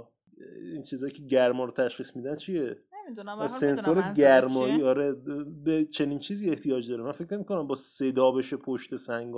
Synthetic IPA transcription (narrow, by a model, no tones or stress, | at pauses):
int͡ʃʰiːzɒːjiːcʰe̞ɟæɾmɒːɾot̪ʰæʃχiːsmiːd̪ænt͡ʃʰije | æse̞nsoɾeɟæɾmɒːjiːɒɾebet͡ʃʰe̞niːnt͡ʃʰiːziːe̞ht̪ʰijɒːd͡ʒd̪ɒːɾemænfe̞cʰne̞miːkonæmbɒːse̞d̪ɒːbe̞ʃepʰoʃt̪e̞sæŋɡɒ